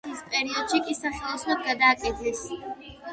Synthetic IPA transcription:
ispʼɛɾiɔd̪̥ʃikʼisaχɛlˠɔsʰnɔd̪̚ɡad̪aːkʼid̪lɛs

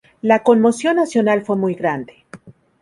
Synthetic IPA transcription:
lako̞nmo̞sjo̞nːasjo̞nalfwe̞mujɣɾand̪e

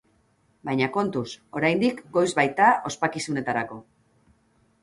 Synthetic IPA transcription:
bajɲako̞nt̪uso̞ɾajnd̪ikɡo̞jzβajt̪ao̞spakisune̞t̪aɾako̞

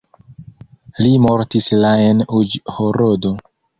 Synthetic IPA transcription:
limo̞ɾtislaenud͡ʒhoɾodo̞

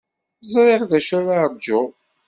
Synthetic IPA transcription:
zˤɾeʁðæʃæɾad͡ʒːʊ

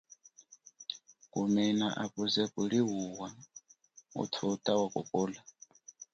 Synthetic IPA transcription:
kʼumɛnaʔakʼuzɛkʼuɺiɦuwa | ṵtʰutʼawakʼɔ̰pʼɔːla

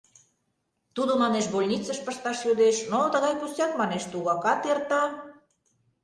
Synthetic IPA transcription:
t̪ud̪omɑneʃbolʲnʲit͡səʃpə̆ʃt̪ɑʃjod̪eʃnot̪ə̆ɣɑjpusɑkmɑneʃt̪uɣɑkɑt̪ert̪ɑ

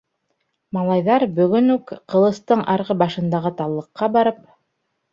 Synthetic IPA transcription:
mɑlˠɑjðɑɾbɵ̆ɡɵnʉkqɤ̆lˠɤ̆st̪ɤɴʔɑɾʁɤbɑʃɤ̆nd̪ɑʁɤt̪ɑlˠːɤ̆qːɑbɑɾɤp̚

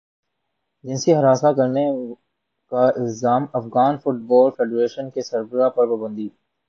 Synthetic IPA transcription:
d͡ʒɪ̃nsiɦɐɾaːsakɐɾne | kaɪlzaːmɐfɣaːnfʊʈ̚bɔːlfeːɖɾeːʃənkesɐɾbəɾapɐɾpaːbə̃nd̪iː

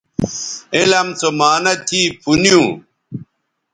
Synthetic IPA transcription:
elɐmt͡somaːnɐt̪ʰiːpʰunijũ

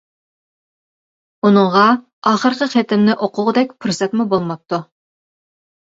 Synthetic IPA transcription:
unɨŋʁɑ | ɑːχəɾqʲəqet̪ɪmnɪʔoqʰʊʁəd̪ɛkʲpʰuɾsɛt̪mubolˠmɑp̚t̪ʰːu

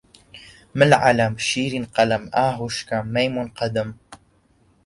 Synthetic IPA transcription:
məlʕa̰lamʃiːɾinqɑlamʔaːɦuʃkamːejmunqɑd̪am

